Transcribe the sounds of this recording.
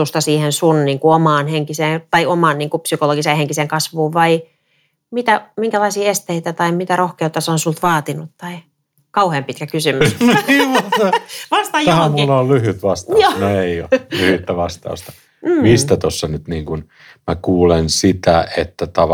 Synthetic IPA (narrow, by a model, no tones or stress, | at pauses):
ust̪ɑsiːhensunniːŋkuomɑːnheŋkiseːnt̪ɑiomɑːnniːŋkupsykoloɡiseːheŋkiseŋkɑsʋuːʋʋɑi | mit̪æmiŋkælɑisiːest̪eit̪æt̪ɑimit̪ærohkeut̪ːɑsonsult̪ʋɑːt̪inut̪tɑi | kɑuheːmpit̪̚kækysymysniːʋɑseʋɑst̪ɑjhæmulːollyhyt̪ʋɑst̪ɑonoeiolyhyt̪ːæʋɑst̪ɑ̰ust̪ɑ̥ | mist̪æt̪osːɑnyt̪niːŋkun | mækuːlensit̪æḛt̪ːæt̪ɑʋ